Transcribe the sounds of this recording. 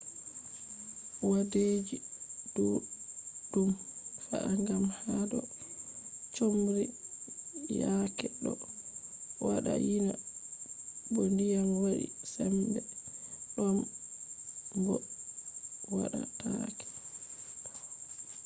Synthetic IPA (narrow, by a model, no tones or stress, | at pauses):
waded͡ʒid̥u | d̥umfa̰ʔaŋɡamhadɔ | t͡ʃomɾi | jakɛɗɔ | waɗa̰jina | bondijamwaɗḭsɛmbɛɗɔm | bɔ | waɗa̰takɛ̥